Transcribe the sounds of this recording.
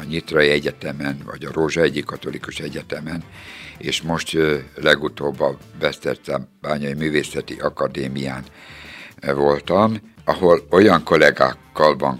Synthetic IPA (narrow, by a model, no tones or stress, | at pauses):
ɲit̪rɒiɛɟɛt̪ɛmɛnvɒ̰ɟɒɾoːʒɒɛɟikːɒt̪o̞likuʃɛɟɛt̪ɛmɛnḛːʃmo̞ʃt̪lɛɡut̪oːbːɒbɛst̪ɛrt̪ɛmb̥aːɲɒimyːveːsɛt̪ḭʔɒkɒd̪eːmijaːn | vo̞lt̪ɒm | ɒho̞lo̞jɒŋko̞lɛɡa̰ːkːɒlbɒŋ